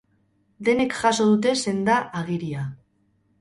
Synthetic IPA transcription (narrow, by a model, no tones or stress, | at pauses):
d̪e̞ne̞kʝaso̞ð̞ut̪e̞se̞nd̪aʔːɣ̞iɾia